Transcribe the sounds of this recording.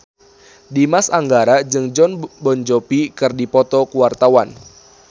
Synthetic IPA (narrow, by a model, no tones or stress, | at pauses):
dimasaŋɡaɾad͡ʒɨŋd͡ʒɔnbɔɲd͡ʒɔpikɨrdipɔt̪ɔkuwart̪awan